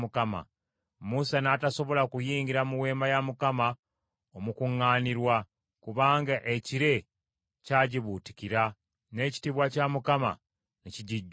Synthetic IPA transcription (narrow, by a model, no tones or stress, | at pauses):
mukama̰ | musanaːtaso̞βo̞lakujiːŋɡiɾamuwe̞ːmajamukama | omukuŋːaːniɾwa | kuβaːŋɡaʔeciɾe̞ | caːɟiβuti̥kiɾa | ne̞ːci̥tiβwacamukama̰ | neciɟiɟ